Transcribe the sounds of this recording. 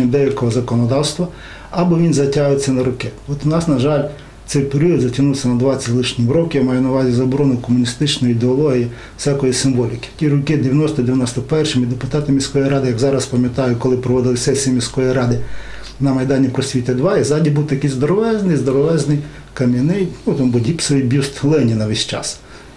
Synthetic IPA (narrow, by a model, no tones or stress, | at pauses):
id̪ɛjʲɐlʲkɔɦɔzɐkɔnɔd̪ɑwst̪ʋɐ | ɐbɔʋʲinzɐtʲaɦʋet͡sʲːɐnɐɾʊkɛɔt̪ʊnɑsnɐʒɑlʲ | t̪sɛjpeɾʲiɔd̪zɐtʲɐnuwsʲɐnɐd̪ʋɑt͡sʲɐtʲlˠɪʃnʲimɾɔkʲijmɑjɛnɐʋɑzʲizɐbɔɾɔnʊjkɔmʊnʲist̪ɪt͡ʃnɔjiid̪eɔlˠɔɦiji̥ | sʲakɔjisɪmʋɔlʲikʲɪ̥tʲiɾɔkɪd̪eʋʲjɐnɔst̪ɔd̪eʋʲjnɔst̪ɔpɛrʃɪmid̪epʊt̪ɑt̪ɪmʲisʲkɔjjɾɑd̪ɪjɐɡzɑɾɐspɐmʲjɐt̪ɑjʊkɔlˠɪpɾɔʋɔd̪ɪlˠɪsɛsʲijimʲisʲkɔjiɾɑd̪ɪ | nɐmɐjd̪ɑnʲipɾɔsʲʋʲit̪ʲɪd̪ʋɑizɑdʲibuwt̪ɐkɪjzd̪ɔɾɔʋɛznɪjzd̪ɔɾɔʋɛznɪj | kɐmʲinɪjt̪ʲnut̪ambʊdʲipsɔʋʲibʲist̪lˠɛnʲinɐʋɛsʲt͡ʃɑ̰s